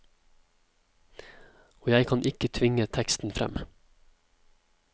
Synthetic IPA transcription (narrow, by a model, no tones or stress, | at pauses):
oːjæɪkʰɑnʔɪkət̪ʰʋɪŋət̪ʰɛkst̪n̩fɾɛ̰m